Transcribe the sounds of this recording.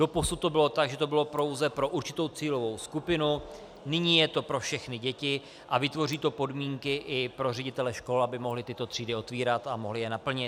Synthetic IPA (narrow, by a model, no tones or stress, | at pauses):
d̥o̞posut̪ːo̞bɪlo̞t̪aɡʒɛt̪o̞bɪlo̞pɾo̞wzɛpɾo̞ʔuɾt͡ʃɪ̥t̪o̞wt͡siːlo̞vo̞wskupɪnu | nɪɲiːjɛt̪o̞pɾo̞fʃɛxnɪɟɛcɪ | ʔavɪt̪vo̞riːt̪o̞po̞dmiːŋkɪʔɪpɾo̞rɛɟɪt̪ɛlɛʃko̞labɪmo̞ɦlɪt̪ɪt̪o̞t̪r̥iːdɪo̞t̪viːɾat̪amo̞ɦlɪjɛnapl̩ɲɪt̪